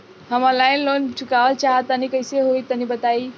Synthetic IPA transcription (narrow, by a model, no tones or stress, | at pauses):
ɦəməlaɪnlont͡ʃʰukaʋəlt͡ʃaɦət̪ːənikəɪseɦoit̪ənibət̪ai